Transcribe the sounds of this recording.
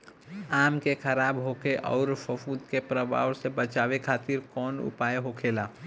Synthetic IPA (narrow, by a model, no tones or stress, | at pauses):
aːmkekʰəɾaːbɦoːkeʔɔ̰ːɾfʊfuːd̪kepɾəbʱa̰ːwsebət͡ʃaːʋekʰaːt̪ɪɾkɔːnʊ̰paːjeɦoːkʰeːlaː